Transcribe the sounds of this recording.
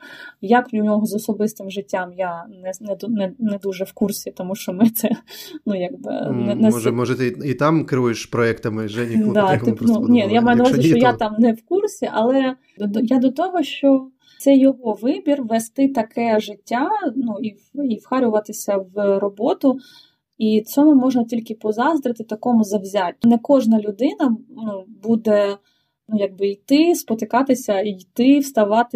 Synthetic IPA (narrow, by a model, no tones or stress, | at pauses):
jɐkʊnʲɔɦɔzɔsɔbɪst̪ɪmʒɪtʲːamjanɛnɛd̪unɛnɛd̪uʒɛwkursʲit̪ɔmuʃt͡ʃɔmɪt̪sɛnujaɡ̚bɪ̰nɛnɛmɔʒɛt̪it̪ɑmkɾɪujɪʃpɾɔɛkt̪ɐmɪʒɛnʲid̪ɑt̪ɪnunʲijamɑjʊnɐʋazʲɪʃt͡ʃɔjat̪ɑmnɛwkursʲiʔɐlˠɛ | d̪ɔjad̪ɔt̪ɔɦɔʃt͡ʃɔ | sɛjɔɦɔʋɪbʲirʋɛst̪ɪt̪ɐkɛʒɪtʲːanuiwiwxɑɾʲʊʋɐt̪ɪsʲɐʋrɔbɔt̪ʊ | it͡sʲɔmʊmɔʒmɔtʲilʲkɪpɔzɑzd̪ɾɪt̪ɪt̪ɐkɔmʊzɐwzʲatʲːnɛkɔʒnɐlʲʊd̪ɪnɐnubud̪ɛ | nujɐɡ̚bɪijt̪ɪspɔt̪ɪkɑt̪ɪsʲɐijt̪ɪwst̪ɐʋɑt̪ɪ